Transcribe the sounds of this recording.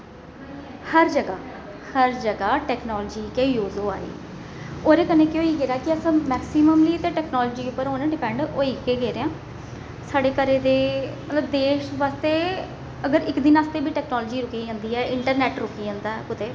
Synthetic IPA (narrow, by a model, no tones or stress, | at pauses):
həɾd͡ʒəɡaː | həɾd͡ʒəɡaːʈɛːknɔːlːd͡ʒiːkeːjuːzoːa̰ːɾḭː | oːɾeːkəneːkeoːiːɡeːɾaːkɪəsãːmɛːksiːməmliːt̪eːʈɛːknɔːlːd͡ʒiːupːəɾɦoːnɛ̃ːɖɪpɛ̃ːɳɖoːiːkeːɡeːɾeːãː | saːɖeːkəɾeːd̪eːmət̪ləbd̪eːʃʋaːst̪eː | əɡəɾɪkd̪ɪnaːst̪eːbiːʈɛːknɔːlɔːd͡ʒiːɾʊkiːd͡ʒãːnd̪iːɛːɪɳʈəɾnɛːʈɾʊkiːd͡ʒãːnd̪aːɛkʊt̪eː